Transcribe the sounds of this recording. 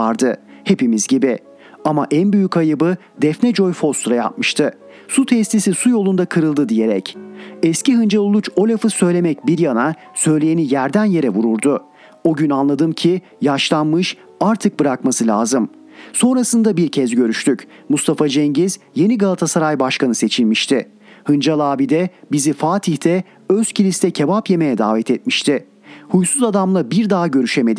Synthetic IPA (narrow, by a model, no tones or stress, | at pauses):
aɾd̪ɯhe̞pimizɟibi | amaʔænbyjycajɯbɯ | d̪ɛfnɛd͡ʒo̞jfo̞st̪ɾaja̰p̚mɯʃt̪ʰɯ | sut̪ʰɛst̪ʰisisujo̞lˠund̪akʰɯɾɯlˠd̪ɯd̪ije̞ɾɛ̰cɛsciɦɯnd͡ʒalˠolˠut͡ʃo̞lʲafɯsø̞jlʲe̞mɛc̚biɾjana | sø̞jlʲejenijæɾd̪ænje̞ɾɛvuɾuɾd̪u | oɟynanlˠad̪ɯmcʰi | jaʃlˠanmɯʃ | aɾt̪ʰɯk̚bɯɾakmasɯlʲa̰ːzɯm | so̞nɾasɯnd̪abiɾcʰɛzɟø̞ɾyʃt̪ʰyc | must̪ʰafad͡ʒɛɲɟiz | je̞niɡalˠat̪ʰasaɾajbaʃkanɯse̞t͡ʃʰilʲmiʃt̪ʰɪ | hɯnd͡ʒalˠaːbid̪ɛbizifaːt̪ʰiçt̪ʰɛ | øscʰilʲist̪ɛcʰe̞bapje̞me̞jɛd̪a̰ːvɛt̪ʰɛt̪̚miʃt̪ʰɪ | hujsuzad̪amlˠabiɾd̪aɦɟø̞ɾyʃeme̞d̪i